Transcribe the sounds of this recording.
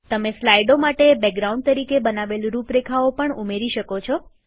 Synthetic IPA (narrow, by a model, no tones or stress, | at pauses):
t̪əmeslajɖomaʈebɛk̚ɡɾaũɳɖ̚t̪əɾikebənaʋelɾupɾekʰaopəɳumeɾiʃəkot͡ʃʰo